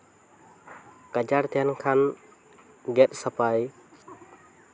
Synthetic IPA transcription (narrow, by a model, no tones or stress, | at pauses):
kad͡ʒaɾt̪ʰɛnkʰan | ɡɛt̪̚ˀsapaj